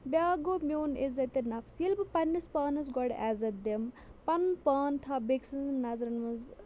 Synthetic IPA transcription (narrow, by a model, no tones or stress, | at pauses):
bʲaːɡomʲoːnezɐt̪ɐnɐfʰsilbɨpɐnːɐspaːnɐs̬ɡɐɽaːzɐd̪em | pɐnpaːnt̪ʰɐbeksɐnnɐzɾɐnmɐz